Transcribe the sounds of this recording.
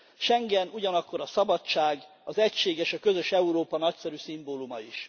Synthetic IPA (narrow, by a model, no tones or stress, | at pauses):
ʃɛŋɡɛnuɟɒnɒkːo̞ɾɒsɒbɒtt͡ʃːaːɡ | ɒzɛcʃeːɡɛʃɒkø̞zø̞ʃɛuɾoːpɒnɒcsɛɾysimboːlumɒiʃ